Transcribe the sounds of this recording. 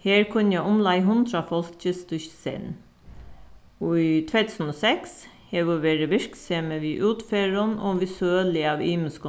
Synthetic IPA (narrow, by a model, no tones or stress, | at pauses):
heːɹkʰʊnjæʊmlɑɪɦʊnd̪ɾɑfɔlkt͡ʃəst̪ʉçsɛ̰n | uit̪ʰʋeːt̪ʰʉːsn̩oːsɛks | heʋɪʋeːɾəʋɪɹkseːməʋiːʔʉːt̪feːɹənɔːʋɪsʉøːlɪɑːʋiːməskʊ